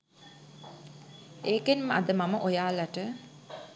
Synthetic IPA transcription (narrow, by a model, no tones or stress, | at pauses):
eːkenməad̪əmaməʔojaːlaʈə